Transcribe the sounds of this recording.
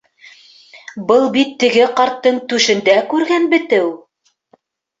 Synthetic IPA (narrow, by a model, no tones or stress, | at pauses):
bɤlˠbit̪ːɘ̆ɡɘqɑɾt̪ːɤɴt̪ʉʃɘ̆nd̪ækʉɾɡænbɘ̆t̪ɘw